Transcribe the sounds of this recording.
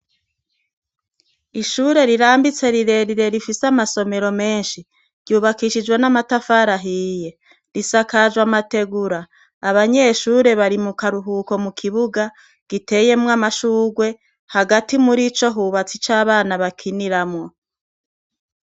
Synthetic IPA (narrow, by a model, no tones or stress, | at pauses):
iʃuɾe̞ɾiɾaːmbit͡se̞ɾiɾe̞ɾiɾe̞ɾifisamaso̞me̞ɾo̞me̞ːnʃi | ɾɟuːβakiʃid͡ʒɡwe̞namatafaɾaɦiːje̞ | ɾisakad͡ʒwamate̞ɡuɾaː | βaɲe̞ʃuːɾe̞βaɾimukaɾuɦuːko̞mukʰiβuɡa | ɡ̥ite̞je̞mŋamaʃuːɡwe̞ | haɡatimuɾit͡ʃo̞ɦuːβat͡sit͡ʃaːβaːnaβakʰiniɾamŋo̞